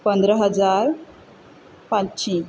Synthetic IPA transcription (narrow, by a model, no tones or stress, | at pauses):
pənd̪ɾəɦəd͡zaɾ | pãtːɕĩ